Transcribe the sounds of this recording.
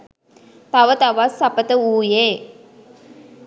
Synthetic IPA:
p̪aʋət̪aʋasːapət̪əuːjeː

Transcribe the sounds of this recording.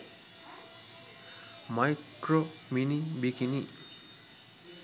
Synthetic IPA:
majkɾominibikini

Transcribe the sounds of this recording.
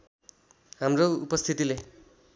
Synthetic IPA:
ɦamroupʌst̪ʰit̪ile

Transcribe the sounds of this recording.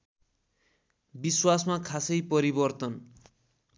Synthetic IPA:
biswasmakʰasʌjpʌɾibʌrt̪ʌn

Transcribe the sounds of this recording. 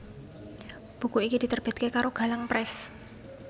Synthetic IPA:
b̥ṳkuikid̪̥i̤t̪ərb̥ɛ̤d̪̥̚kekaɾoɡ̥a̤laŋpɾɛs

